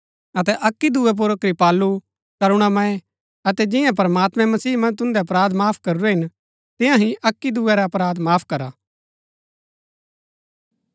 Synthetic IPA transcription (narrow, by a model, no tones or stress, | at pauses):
ɐt̪̬ɛʔɐkːid̪uːɛp̬ʊɾəkɾipaːlːu | kɐɾʊɽ̃amãẽ | ɐt̪ɛd͡ʒɪ̃jãp̬ɐɾəmaːt̪mɛ̃mɐsiːmɐ̃nd͡ʒt̪ʊ̃nd̪ɛɐp̬ɾaːd̪maːpʰkɐɾuɾɛɦɪn | t̪ɪ̃jãɦĩʔɐkːid̪uɛɾɛɐpɾaːd̪maːpʰkɐɾaː